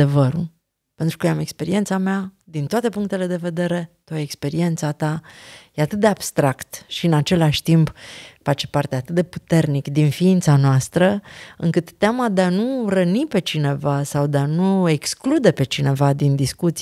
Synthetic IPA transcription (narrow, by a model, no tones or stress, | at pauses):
e̞vəɾṵl | pe̞nt̪ɾukəjame̞kspe̞ɾie̞nt̪samead̪int̪oat̪e̞puŋk̚t̪e̞le̞d̪e̞ve̞d̪e̞ɾe̞t̪aekspe̞ɾie̞nt̪sat̪ajeat̪ɨt̪̚d̪eab̥st̪ɾakt̪ʃiɨnat͡ʃe̞laʃʲt̪impfat͡ʃe̞̥part̪eat̪ɨt̪̚d̪e̞put̪e̞rnikd̪infiint̪sanoast̪ɾəɨŋkɨt̪ːeamad̪eanurənipe̞t͡ʃine̞vasawd̪eanue̞ksklud̪e̞pe̞t͡ʃine̞vad̪ind̪iskut̪s